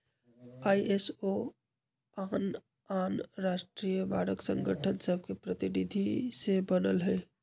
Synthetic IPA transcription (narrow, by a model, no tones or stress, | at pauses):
aːiʔeso | aːn | aːnɾaːʃʈɾiːjəbaːɾəksə̃ŋɡəʈʰənsəb̚ʱkepɾət̪ɪnid̪ʱisebənəlɦɛː